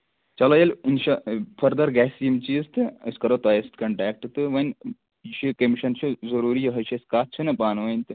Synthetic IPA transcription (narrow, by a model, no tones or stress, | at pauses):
t͡ʃɐlɐjɐlinʃɐpʰɐɾd̪ɐɾɡɛːsimt͡ʃiːst̪ɨɐ̰skɐɾot̪ɐjɐst̪kɐɳʈɛːk̚ʈɨt̪ɨʋɐnʲ | ʃikɐmiʃɐnt͡ʃʰizɐɾuːɾijiɦɐʃʰɐskaːt̪̚t͡ʃʰɨnɐpaːnʋɐnʲt̪ɨ